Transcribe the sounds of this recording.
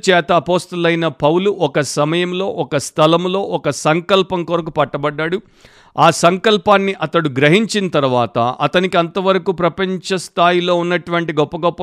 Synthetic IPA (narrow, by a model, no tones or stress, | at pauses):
t͡ʃɛːt̪ɐːpoːst̪ɐlɐjnɐpɐwluʔɔkɐsɐmɐjɐmlo̞ːʔɔkɐst̪ʰɐlɐmlo̞ːʔɔkɐsɐŋkɐlpɐŋkuɾɐk̬upɐʈːɐbɐɖːaɽu | aːsɐŋkɐlpaːnːiʔɐt̪ɐɽuɡɾɐɦiɲt͡ʃinɐt̪ɐɾuʋaːt̪ɐɐt̪ɐnikiɐnt̪ɐʋɐɾɐkuːpɾɐpɐɲt͡ʃɐst̪ʰaːjilo̞ːunːɐʈuʋɐɳʈiɡɔpːɐɡɔpːɐ